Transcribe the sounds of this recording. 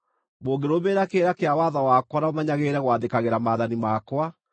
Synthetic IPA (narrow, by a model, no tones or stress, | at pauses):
moːɡeɾomeːɾakeːɾakeawaðawaːkwanaomaɲaɣeɾɛɣwaːðekaɣeɾamaːðanimaːkwa